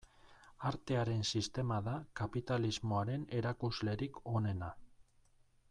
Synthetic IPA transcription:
aɾt̪e̞aɾe̞nsist̪e̞maðakapit̪alizmo̞aɾe̞ne̞ɾakuzle̞ɾikʰo̞ne̞na

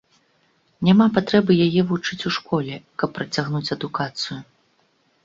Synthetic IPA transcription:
nʲamapat̪ɾɛbɨjajɛvut͡ʂɨt͡sʲuʂkɔlʲɛkɐpːɾɐt͡sʲaɣnut͡sʲɐd̪ukat̪sɨju

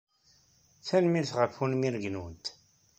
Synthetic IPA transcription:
θænmilθʁəfunmiɾɡnunt̪

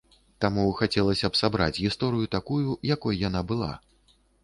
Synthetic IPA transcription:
t̪amuxat͡sʲɛlˠɐsʲɐpsabɾa̰t͡sʲɣʲist̪ɔɾɨjut̪akujujakɔjjan̪abɨlˠa̰

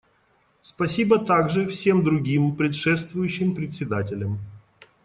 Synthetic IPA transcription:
spɐsʲibət̪aɡʐɨfsʲe̞md̪ɾʊɡʲimpɾʲɪt̪ʂɛst̪vʊjʉɕːɪmpɾʲɪt̪ʲsʲɪd̪atʲɪlʲəm

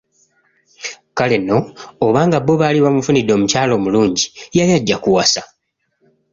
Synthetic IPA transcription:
kale̞no̞ːβaːŋɡabo̞βaːliβamufunid̪ːo̞ːmucaːlo̞ːmuluːɲɟijaljaɟːakuwasa

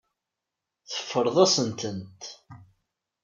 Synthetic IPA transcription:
θə̥fːəɾˤðˤɑsənt̪ənt̪

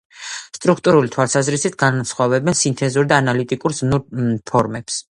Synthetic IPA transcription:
st̪ʼɾukʰt̪ʼuɾulit̪ʰwalˠsazɾisit̪ʰɡansχwavɛbɛnsint̪ʰʼɛzuɾd̪aːnalit̪ʼikʼuɾzmnuɾpʰɔɾmɛps

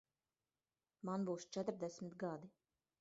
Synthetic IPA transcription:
manbuːst͡ʃɛt̪ɾd̪ɛsmʲit̪ɡad̪i

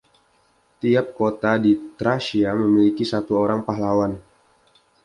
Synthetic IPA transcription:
t̪iap̚kot̪adit̪ɾaʃiaməmilikisat̪uoɾaŋpaɦlawan

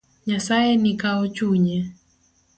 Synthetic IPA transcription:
ɲasaɛnikaɔt͡ʃuɲɛ

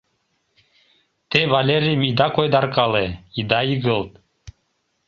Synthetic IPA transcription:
t̪eβɑlʲeɾʲijəmid̪ɑkojd̪ɑrkɑleid̪ɑiɣəlt̪̚

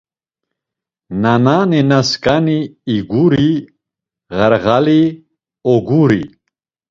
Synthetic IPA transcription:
nanaːninaskʼaniːɡuɾi | ʁəɾɣali | ɔɡuɾḭ

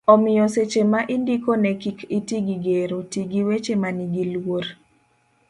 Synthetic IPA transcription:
ɔmɪjɔset͡ʃemaʔɪndikonɛkikitiɡiɡeɾotiɡiwet͡ʃemaniɡilwwoɾ

